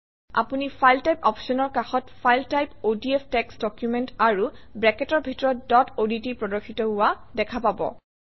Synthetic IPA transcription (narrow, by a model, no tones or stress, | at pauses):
a̰punipʰajltajpɔpsɔnɔɹkaxɔtpʰajltajpodiɛpʰtɛksdɔkjumɛntaɹubɹɛkɛtɔɹbʱitɔɹɔtdɔtoditipɹɔdɔxʰitɔɦʊwadɛkʰapabɔ̰